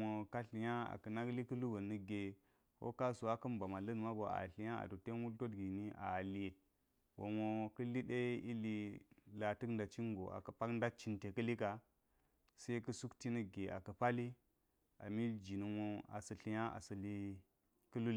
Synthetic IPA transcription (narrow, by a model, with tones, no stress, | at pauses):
o˨ka˦ɬi˨ja˦a̰˨kə˨na˦ɡli˦kə˦lu˦bə˨nə˦ɡe˨ | ko̰˦ka˦su˨a˦kə˦mba˨ma˨lə˦n˨ma˦ɡo˨a̰˨ɬi˨˦ja˦a̰˨to˨te˦u˦lto˦tɡi˨ni˦ʔa̰˨li˦je˨ | ɡo˨mo˨kə˦li˦ɗe˦i˦li˨la˨tɨ˦knda˨t͡ʃi˦ŋ˦ɡo̰˨ʔa̰˨kə˨pa˦kn˦da˦t͡ʃi˦nte˨kə˦li˦ka˦ | se˦i˦kə˦su˦kti˦nə˦ɡe˨ʔa̰˨kə˨pa˦li˦ | a̰˨mi˦d͡ʒi˨nə˨mo˦a̰˨sə˨ɬi˨ja˦a̰˨sə˨li˦ | kə˦lu˦l